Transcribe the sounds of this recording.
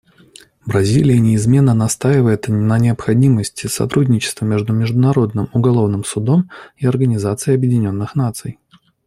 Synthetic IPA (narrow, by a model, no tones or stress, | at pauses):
bɾɐzʲilʲɪjənʲɪɪzmʲe̞nːənɐst̪aɪvəjɪt̪nənʲɪəpxɐdʲiməsʲtʲɪsɐ̰t̪ɾudʲnʲɪt͡ɕɪ̥st̪vəmʲe̞ʐd̪ʊmʲɪʐd̪ʊnɐɾo̞d̪nɨmʊɡɐlˠo̞vnɨmsʊd̪o̞miɐrɡənʲɪzat̪sɨɪɐbjɪdʲɪnʲo̞nːɨxnat̪sɨj